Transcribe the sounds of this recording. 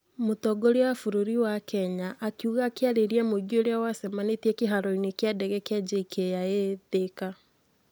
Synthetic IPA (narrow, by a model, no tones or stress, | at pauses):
motɔɡoɾeafuɾoɾiwakɛɲaʔːkiuɣakeaɾeɾiɛmoiɡioɾeawasɛmanetiɛkeɦaɾɔinekjadɛɣɛkeɛd͡ʒekʰejaeðeka